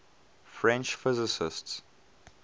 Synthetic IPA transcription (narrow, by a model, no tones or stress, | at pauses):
fɹɛ̃nt͡ʃfɪzɪsɪsts